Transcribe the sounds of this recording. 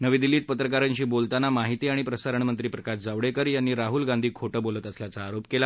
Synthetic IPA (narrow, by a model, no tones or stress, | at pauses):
nəʋiːd̪ilːiːt̪̚pət̪ɾəkaɾaɲt͡ɕiːbolt̪anamaɦit̪iːaɽ̃ipɾəsaɾəɳmənt̪ɾiːpɾəkaʃd͡zaʋɽekəɾjanːiːɾaɦulɡand̪ʱiːkʰoʈəːbolət̪əsljat͡saːɾopkela